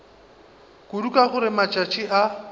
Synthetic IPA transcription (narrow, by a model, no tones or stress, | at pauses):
kʼudukʼaχʊɾɪmat͡ʃʼat͡ʃʼiʔa